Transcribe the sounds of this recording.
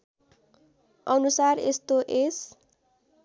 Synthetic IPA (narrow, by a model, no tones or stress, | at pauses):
ʌnusarest̪oʔes